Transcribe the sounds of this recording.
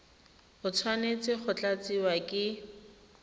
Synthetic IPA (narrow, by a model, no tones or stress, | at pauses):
ʊt͡sʰwanet͡sʼɪχʊt͡ɬat͡siwakʼɪ